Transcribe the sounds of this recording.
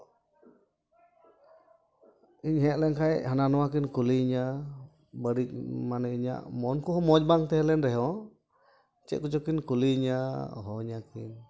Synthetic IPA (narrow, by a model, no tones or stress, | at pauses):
iɲɦɛʔlɛnkʰajɦananɔwak̬inkuliɲa | bəɾic̚manɛiɲa̰ʔmɔnkuɦɔmɔd͡ʒbaŋt̪ɛɦɛlɛnɾɛɦɔ | t͡ʃɛ̰ʔ̚kud͡ʒɔkinkuliɲaɦɔɲakin